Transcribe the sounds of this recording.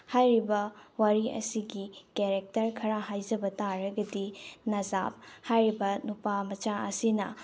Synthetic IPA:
hajɾibɐwaɾiʔɐ̰siɡikeɾek̚tɐɾkʰɐɾaɦajd͡ʒɐbɐtaɾɐɡɐdinɐza̰p̚hajɾibɐnupamɐt͡ʃaɐ̰sinɐ̰

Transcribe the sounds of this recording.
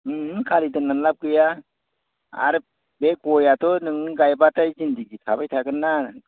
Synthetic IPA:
ɯkʰalidɯnːanlap̚ɡɯja | a̰ɾɯ | bek̚ɔjatɔnɯŋnɯɡajbatajzindiɡitʰabajtʰaɡɯnːa

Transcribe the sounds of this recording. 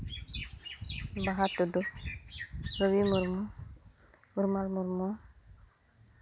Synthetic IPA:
baɦatudu | ɾowimuɾm | uɾmalmuɾmo

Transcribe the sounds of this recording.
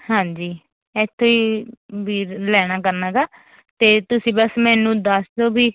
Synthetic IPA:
hãːɲd͡ʒiː | ɛt̪ʰːõːiːbʱiːɾlɛːɽ̃aːkəɾnaːɡaː | t̪eːt̪ʊsĩːbəsmɛːnũːd̪aːsd̪oːbiː

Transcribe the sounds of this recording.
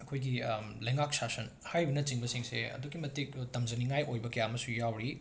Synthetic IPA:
ɐkʰojɡilɐjŋak̚sasɐn | hajbɐnɐt͡ʃiŋbɐsiŋseɐ̰duɡimɐtik̚tɐmd͡ʒɐniŋajʔojbɐkɐjamɐsujawɾi

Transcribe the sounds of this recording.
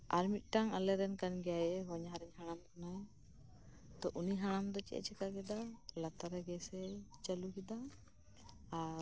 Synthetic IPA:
aɾmit̪̚ˀʈaŋalɛɾɛnkanɡɛjajɛɦɔɲɦaɾɛɲɦaɽ̃amkɔnaj | t̪ɔʔuniɦaɽ̃amd̪ɔt͡ʃɛ̰ʔɛ̰t͡ʃɛkaɡɛd̪alat̪aɾɛɡɛsɛt͡ʃəlukɛd̪a | ɾ

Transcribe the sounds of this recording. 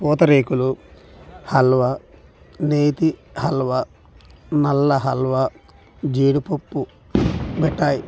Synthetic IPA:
pɔːt̪ɐɾeːkulu | hɐlʋɐ | neːt̪ihɐlʋɐ | nɐlːɐɦɐlʋɐ | d͡ʒiːɽupopːu | bɛʈːaːji

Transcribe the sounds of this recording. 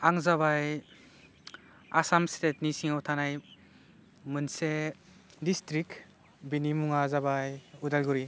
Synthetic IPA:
aŋzaβaj | a̰samstet̚nisiŋatʰanaj | mɯnse | distɾik | binimuŋazabajudalɡuɾi

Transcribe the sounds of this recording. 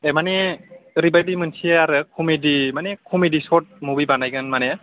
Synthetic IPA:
ɛmaneɾibajdimɯnsieaɾɯkʰɔmedimanekʰɔmedisɔt̚mubibanajɡɯnmane

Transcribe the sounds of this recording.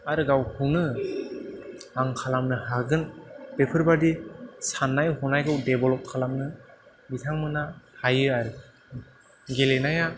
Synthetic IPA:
aɾɯɡawhʰunɯ | aŋkʰalamnɯhaɡɯnpepʰɯɾbadisanːajɦɔnajɡawdebɔlɔp̚kʰalamnɯ | bitʰaŋmɯnahʰajɯaɾɯ | ɡelenaja

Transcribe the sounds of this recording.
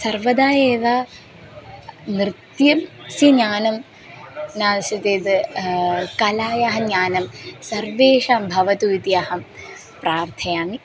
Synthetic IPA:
sɐrʋɐd̪aːjeːʋaː | nɾɨt̪jɐmsiɲaːnɐm | naːsɐt̪eːd̪ɨ | kɐlaːjaɦɐɲaːnɐmsɐɾʋeːʂaːmbʱɐʋɐt̪uʋit̪iɐhɐm | pɾaːɾt̪ʰɐjaːmi

